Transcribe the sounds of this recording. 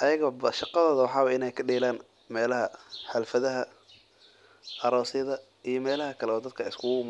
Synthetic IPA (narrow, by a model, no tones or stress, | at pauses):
ʔɐjɐɣɐbɐʃɑqɑðɔːðɐwɑħɑːwɐɪnɛjkʰɐɖɛːlaːn | mɛːlɐɦɐħɛlfɐðɐɦɐ | ʔɐɾɔːsɪjɐðɐ | ijɞmɛːlɐhɐkʰɐlɛɔːd̪ɐd̪̚kʰɐɪskʰʊɣʊm